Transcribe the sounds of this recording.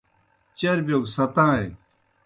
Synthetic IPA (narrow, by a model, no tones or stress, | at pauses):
t͡ɕɐɾbjoːɡsɐt̪ãːe